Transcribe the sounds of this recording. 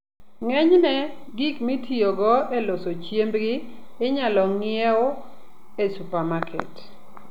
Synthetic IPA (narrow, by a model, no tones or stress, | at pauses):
ŋɛɲnɛɡikmitʰioɡɔɛlosot͡ʃjembɡɪːɲalɔŋɪɛo | esupamakʰɛ̰t